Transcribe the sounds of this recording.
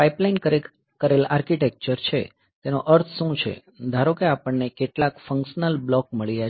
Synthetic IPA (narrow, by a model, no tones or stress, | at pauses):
paiplainkəɾe | kəɾelaɾkiʈek̚t͡ʃəɾt͡ʃʰe | t̪enoʔəɾt̪ʰʃũt͡ʃʰḛ | d̪ʱaɾokeapəɳːekeʈlakfə̃ŋkʃnəlblɔk̚məɭija